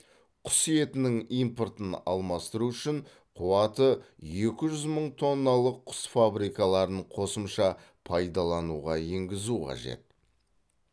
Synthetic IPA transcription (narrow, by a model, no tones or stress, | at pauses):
qʰʊ̥sije̞t̪ɪnɪŋijmpo̞rt̪ənɑ̰lˠmɑst̪əɾuʏʃɪɴ | qʰuwɑt̪əje̞kʲɪʒʏzməɴt̪ʰo̞nːɑlˠəqʰːʊ̥sfabɾijkɑlˠɑɾəɴqʰo̞səmʃɑ | pʰɑjd̪ɑlˠɑnuʁɑeŋɡʲɪzuqʰɑ̰ʒe̞̰t̪̚